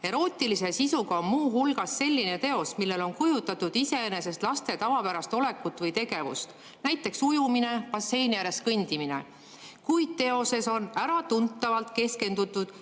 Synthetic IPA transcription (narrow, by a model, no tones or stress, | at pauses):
e̞ɾo̞ːt̪ʲːˑilise̞sisuɡ̥ɑo̞nmuːɦulɡ̥ɑsːe̞lʲːine̞t̪e̞o̞smilːe̞lo̞nkujut̪ːˑɑt̪ud̪̥ise̞ene̞se̞st̪lɑst̪e̞t̪ɑvɑpæɾɑst̪o̞le̞kːut̪ːˑvɤjt̪e̞ɡe̞vṵst̪ | næjt̪ːˑe̞ksujumine̞pɑse̞jnjæɾe̞skɤnʲd̪̥imine̞̰ | kujd̪̥̚t̪e̞o̞se̞so̞næɾɑt̪unt̪ːˑɑvɑlt̪ke̞ske̞nd̪ut̪ːˑud̪̥